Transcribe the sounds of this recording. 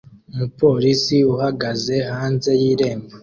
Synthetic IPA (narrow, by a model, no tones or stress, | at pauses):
umupo̞ːɾisiuhaɡaze̞haːnze̞jiːɾe̞ːmba